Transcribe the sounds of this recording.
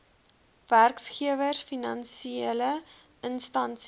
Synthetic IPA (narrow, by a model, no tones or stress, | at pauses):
værksχiəvərfinɐnsieələ | ənstɐns